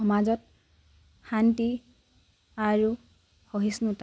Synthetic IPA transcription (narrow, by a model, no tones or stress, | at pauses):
ɔmad͡zɔt̚ | xanti | aɹu | hɔɦisnuta